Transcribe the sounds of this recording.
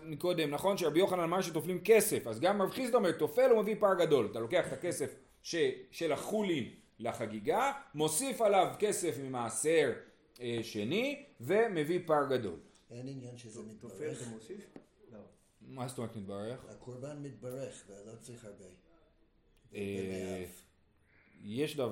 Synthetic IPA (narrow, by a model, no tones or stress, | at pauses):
miko̞d̪e̞mnaχo̞nʃeabijo̞χananamaʁʃet̪o̞flimke̞se̞fazɡamːavχizt̪aomeʁt̪o̞fe̞lumevipaʁɡado̞lat̪alo̞ke̞aχet̪ake̞se̞f | ʃeʃe̞laχulin | laχaɡiɡamo̞sifalavke̞se̞fmimaːse̞ʁ | eʃe̞nive̞me̞vipaʁɡad̪o̞̰l | eninjanʃezemit̪osi | o | mazstomet̪mit̪̚baʁeχhakʰoɾbanmit̪̚baʁeχveazat͡sʁiχhaʁbe | e | jeʃdav